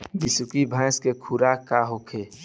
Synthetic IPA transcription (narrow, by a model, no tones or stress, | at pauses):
bɪsʊkibʱə̃ɪ̃skekʰuɾakaɦokʰe